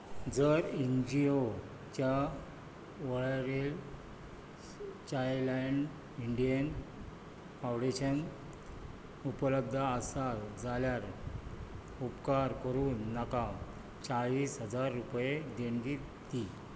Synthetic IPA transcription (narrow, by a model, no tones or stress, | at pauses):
d͡zəɾind͡ʑio | t͡ɕja | ʋəɭɾel | t͡ɕajlaɳɖ | iɳɖijən | fãwɽeɕən | upələb̚d̪ʱəːsad͡zaljaɾ | upkaɾkəɾuːnːaka | t͡saɭiːsɦəd͡zaɾːupjed̪eɳɡi | t̪i